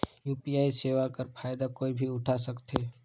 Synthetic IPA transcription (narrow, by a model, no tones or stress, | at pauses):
juːpijaːiseːʋakəɾpʰaːjd̪akoːibʱiʊʈʰasəkt̪eː